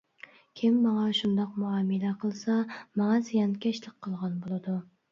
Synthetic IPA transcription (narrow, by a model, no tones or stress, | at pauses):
kʲʰɪmːɑŋɑʃund̪ɑqmuɑmɨlæqʰəlˠsɑmɑŋɑsijɑnkʲʰɛʃlɪq̚qʰːəlˠʁɑnbolˠɨd̪u